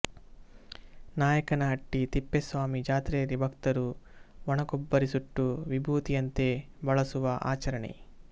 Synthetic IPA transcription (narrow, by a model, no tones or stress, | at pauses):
naːjɐkɐnaɐʈːit̪ipːesʋaːmid͡ʒaːt̪ɾeːɾibʱɐkt̪ɐɾuʋɔɳɐkɔbːɐɾisuʈːuʋibʱuːt̪ijɐnt̪e̞ | bɐɭɐsuʋɐʔa̰ːt͡ʃɐɾɐɳḛ